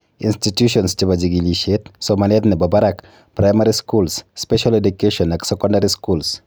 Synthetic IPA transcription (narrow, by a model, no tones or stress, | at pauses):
institjuʃɔnst͡ʃebad͡ʒiɡiliʃet̪somanet̪nebabaɾak | pɾajmaɾiskulsːpɛʃaledukeʃɔnaksɛkɔ̃ndaɾiskuls